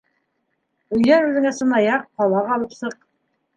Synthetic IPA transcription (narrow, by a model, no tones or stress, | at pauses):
ɵ̆jænʉðɘ̆ŋæsɤ̆nɑjɑq̚qɑlˠɑʁɑlˠɤpsɤq